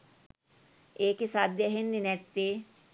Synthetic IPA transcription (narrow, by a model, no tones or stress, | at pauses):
eːkesad̪jəɦenːinɛt̪ːe